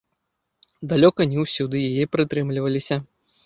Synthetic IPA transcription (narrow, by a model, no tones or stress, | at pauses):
d̪alʲɔkɐnʲɛwsʲud̪ɨjajɛpɾɨt̪ɾɨmlʲivɐlʲisʲɐ